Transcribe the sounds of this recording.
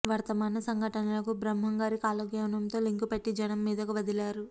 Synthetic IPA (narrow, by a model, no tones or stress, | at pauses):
ʋɐɾt̪ɐmaːnɐsɐŋɡʱɐʈɐnɐlɐkubɾɐmɦɐŋɡaːɾikaːlɐɡjɐʋnɐmt̪o̞ːliŋkupeʈːid͡ʒɐnɐmːiːd̪ɐkuʋɐd̪ilaːɾu